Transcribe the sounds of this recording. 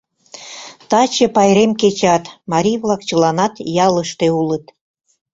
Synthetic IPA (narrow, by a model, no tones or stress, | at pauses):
t̪ɑt͡ɕĕpɑjɾemket͡ɕɑt̪mɑɾʲijβlɑkt͡ɕəlɑnɑt̪jɑləʃt̪eulət̪